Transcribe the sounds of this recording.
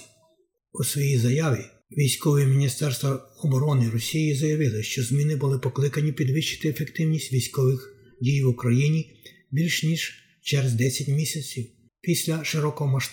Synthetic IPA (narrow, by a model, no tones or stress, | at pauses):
usʋɔjizɐjɑʋʲi | ʋʲijsʲkɔʋɔimʲinʲist̪ɛrst̪ʋɐɔbɔɾɔnɪɾɔsʲijizɐjɐʋɪlˠɪʃt͡ʃɔzmʲinɪbʊlˠɪpɔklˠɪkɐnʲipʲid̪ʋɪʃt͡ʃɪ̥t̪ɪefekt̪ɪwnʲisʲtʲʋʲijsʲkɔʋɪx | dʲijʋʊkɾɐjinʲi | bʲilʲʃnʲiʒ | t͡ʃɛɾezd̪ɛsʲɐtʲmʲisʲɐt͡sʲiw | pʲisʲlʲɐʃɪɾɔkɔɦɔmɐʃt̪